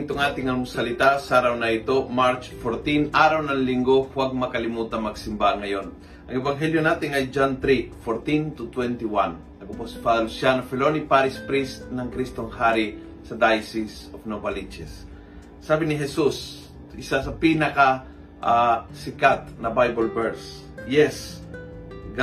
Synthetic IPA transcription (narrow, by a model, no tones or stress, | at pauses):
t̪oŋʔaːt̪ɪŋɐnŋsɐlɪt̪asaɾawnɐɪt̪o̞maɾt͡ʃfoɾt̪inʔaːɾawnɐŋlɪŋɡohwaɡ̚mɐkɐlɪmuːt̪ɐŋmɐɡsɪmbahaŋɐjo̞n | ʔɐŋɛbaŋɦɛljonaːt̪ɪŋɐjd͡ʒant̪ɾikfoɾt̪int̪ʊt̪wɛnt̪ɪwan | ɐkoposɪ̥pad̪ɐlusjanofɛlonipaɾɪspɾist̪nɐŋkɾist̪oŋhaɾi | sɐd̪ajsɪs | ofnobalit͡ʃɛsː | aːbɪnɪɦɛsus | ɪsasɐpinɐkɐ | ʔasɪkat̪̚nɐbajbɐlbɛɾs | jɛs | ɡ